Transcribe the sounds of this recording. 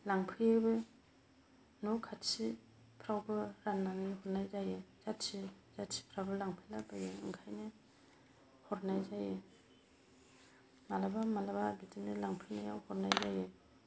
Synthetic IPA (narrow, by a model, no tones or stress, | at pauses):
laŋpʰɯjebɯ | nɔwkʰatsi | pʰɾawbɯɾanːaŋnihɔɾnajzajɯz̥atsi | z̥atsi̥pʰɾawbɯlaŋpʰɯjlabajeɯŋkʰajnɯ | hɔɾnajzaje | malabamalababitinɯlaŋpʰɯnaja̰whɔɾnajzaje